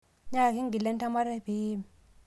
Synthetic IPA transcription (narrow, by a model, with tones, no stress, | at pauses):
ɲa˦˨ki˦ŋɡi˨lɛ˦nta˦ma˦ɾɛ˦˨bi˦mi˨